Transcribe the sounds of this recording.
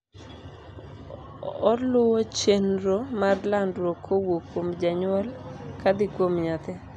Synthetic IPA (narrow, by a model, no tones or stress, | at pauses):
ɔlʊwot͡ʃenɾomarlandɾokʰowokwomd͡ʒaɲʊɔlkad̪ɪkwomɲat̪ɛ